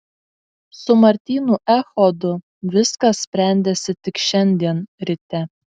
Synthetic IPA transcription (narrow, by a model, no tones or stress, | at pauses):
sʊmɐɾʲt̪ʲiːnuːʔæxɔd̪ʊ | ʋʲɪskɐssʲpʲɾʲɛˑnʲd̪ʲɛsʲɪt̪ʲɪkʃʲɛnʲd̪ʲiɛnɾʲɪt̪ʲɛ